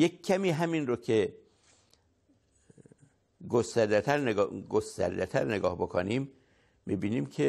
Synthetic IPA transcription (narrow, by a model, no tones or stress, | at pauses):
jekcʰːæmiːɦæminrokʰe | ɡost̪æɾd̪et̪ʰæɾneɡost̪æ̰ɾd̪et̪ʰæ̰ɾneɡɒ̰ːhbokʰo̰niːmː | ibiːniːmcʰe